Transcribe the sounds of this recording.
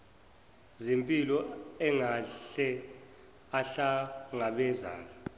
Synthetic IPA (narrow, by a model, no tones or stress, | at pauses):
zimpʼilɔɛŋaɬɛ | aɬaŋaɓɛza̰ːna